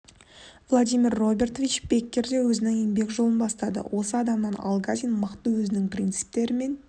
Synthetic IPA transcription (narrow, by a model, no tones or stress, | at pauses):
vlˠad̪ijmʲirːo̞bʲe̞rt̪ovʲit͡ʃb̥e̞kʲːe̞ɾd̪e̞wɵzɪnɪŋembe̞kʒo̞lˠənbɑst̪ɑd̪ə̰wʔo̞səɑd̪ɑmnɑnɑ̰lˠɡazʲinməqt̪əwɵzɪnɪŋprʲint̪sɨ̥p̚t̪e̞ɾɪme̞n